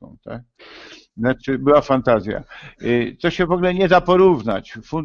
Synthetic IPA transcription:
ɔ̰̃t̪a̰k̚ | nat͡ʂɘbɘwafant̪azʲja̰ | t̪ɔɕɛvɔɡulɛɲɛd̪apɔɾuvna̰t͡ɕfun

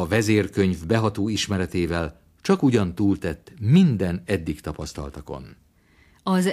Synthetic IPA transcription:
ɒvɛzeːrkø̞ɲvbɛɦɒt̪oːiʃmɛɾɛt̪eːvɛl | t͡ʃɒkuɟɒnt̪uːlt̪ɛt̪ːmind̪ɛnɛd̪ːikt̪ɒpɒst̪ɒ̰lt̪ɒko̞̰n | ɒz

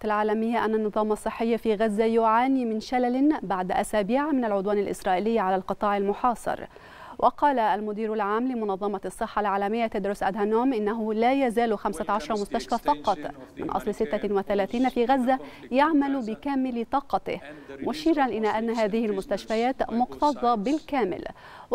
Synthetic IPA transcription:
t̪alʕaːlamɪjːaʔanːanːɨðˤɑːmɑsˤːɨħːɪjːafiːɣazːajʊʕaːniːmɪnʃalalɪnbaʕd̪ʔasaːbiːʕamɪnalʕʊd̪waːnalʔɪ̰sɾˤɑːʔɪlɪjːʕalaːlqɨt̪ˤɑːʕɪalmʊħɑːsˤɨ̰ɾˤ | wʔɑqɑːlaːlmʊd̪iːɾalʕaːmlɪmʊnɑðˤːɑmɑsˤːɨħːalʕaːlamɪjːat̪ad̪ɾʊsʔa̰d̪hanuːmʔɪnːaɦʊlaːjazaːlxamsaʕɑʃɑɾˤɑmʊst̪aʃfaːfɑqɑt̪ˤmɪ̰nʔɑ̰sˤlsɪt̪ːawaθalaːθiːnafiːɣazːajaʕmalʊbɪkaːmɪlt̪ˤɑːqɑt̪ɪ̰hmʊʃiːɾanʔɪlaːʔanːaɦaːðɪhɪlmʊst̪aʃfajaːt̪mʊqt̪ɑðˤɑbɪlkaːmɪ̰l

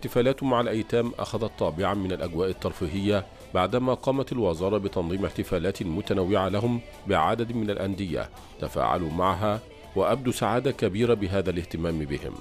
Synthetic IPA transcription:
ɪħt̪ɪfaːlaːt̪maʕalʔajt̪aːmʔa̰xaðat̪ˤːɑːbɪʕamɪnalʔaɡwaːʔɪt̪ːɑɾˤfiːɦɪjːa | baʕd̪amaːqɑːmat̪alwɑzɑːɾˤɑbɪt̪ɑnðˤiːmɪħt̪ɪfaːlaːt̪lmʊt̪anawːɪʕalaɦʊm | bɪʕa̰d̪ad̪mɪnalʔand̪ɪja̰ | t̪afa̰ːʕa̰lumaʕɦaː | waʔab̚d̪uːsaʕaːd̪akabiːɾabɪɦaːðalɪht̪ɪmaːmbɪhɪ̰m

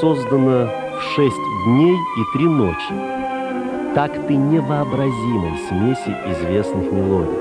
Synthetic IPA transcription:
ozd̪ənə | fʂɛsʲtʲd̪ʲnʲej | it̪ɾʲino̰t͡ɕɪ | t̪akt̪ɨnʲɪvəɐbɾɐzʲimə̰jsʲmʲesʲɪɪzvʲe̞snɨxmʲɪlˠodʲɪ̰j

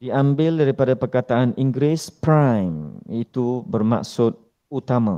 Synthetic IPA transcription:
diãmbɪldaɾipadapərkat̪aanʔiŋɡɾɪspɾãjmit̪ubərma̰ksʊt̪̚ | ut̪amã̰

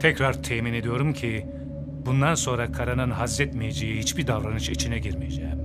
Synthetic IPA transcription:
t̪ʰɛcɾaɾt̪ʰɛːmine̞d̪ijo̞ɾumcʰi | bund̪anso̞nɾakʰaɾanɯnɦazːɛt̪mijed͡ʒejihit͡ʃbiɾd̪avɾanɯʃit͡ʃʰinɛɟiɾmijed͡ʒḛːm

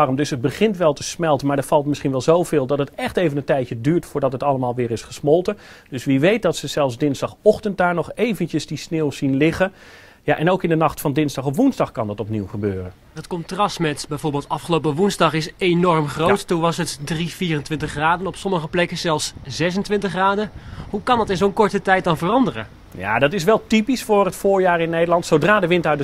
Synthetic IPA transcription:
rmdɵsɦəd̚bəχɪntʋɛlˠtəsmɛlˠtənmaɹdəɹfɑlˠtmɪsχinʋɛlˠzowv̥ɪːlˠdɑtətɛχtejvənəntɛjtədyːɹtfʊːɹdɑtɦətɑləmaːlˠʋɪːɾɪsχəsmɔlˠtə | d̥ɵsʋiʋejt̚dɑtsəz̥ɛlˠfzdɪnzdɑχɔχtənt̚daːɹnɔχejvəncəzdisneːwsinlɪχə | jaʔɛnowkɪndənɑχtfɑndɪnzdɑχɔpʋunzdɑχkɑndɑtɔpniwχəbøːrən | ətkɔntrɑstmɛtbɛjvoːɹbɪːlˠtɑfχəlowpəʋunzdɑχɪsenɔɹmχrowttunʋɑsətdriviːrəntʋɪntəχraːdənɔpsɔməχəplɛkəz̥ɛlˠfszɛs̬əntʋɪntəχraːdənɦukɑndɑtɪnzonkɔɹtətɛjt̚dɑnvərɑndərə̰n | ja̰ːdɑtɪs̬ʋɛlˠtipisfʊːrɦətfʊːɹjaːɹɪnːejdəlɑntsowdraːdəʋɪntaɥdə

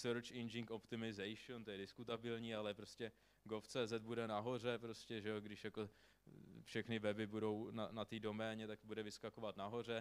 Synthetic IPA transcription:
sɛɾot͡ʃɪnd͡ʒɪŋkopt̪ɪmɪzɛjʃont̪ojɛdɪskut̪abɪlɲiːalɛpɾo̞scɛ | ɡoft͡sɛːzɛt̪̚budɛnaɦo̞r̝ɛpɾo̞scɛʒɛoɡdɪʃjako̞ | fʃɛxnɪvɛbɪbudo̞wnanat̪iːdo̞mɛːɲɛt̪akbudɛvɪskako̞vat̪naɦo̞r̝ɛ

